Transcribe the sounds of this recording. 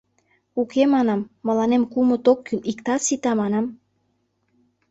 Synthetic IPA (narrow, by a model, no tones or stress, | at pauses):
ukemɑnɑmːə̆lɑnemkumŏt̪okʰːynikt̪ɑsit̪ɑmɑnɑm